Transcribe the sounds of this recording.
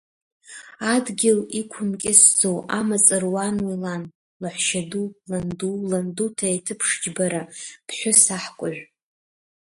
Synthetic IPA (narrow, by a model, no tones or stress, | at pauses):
adɡʲɪlikʷʰʊmkʲʼɪsd͡zowamat͡sʼɨrwanwilan | laħʷʃadulandulandutʰaitʰɨpʰʂd͡ʒbaɾapʰħʷᶣʊsaħkʷʼʊʕʷᶣ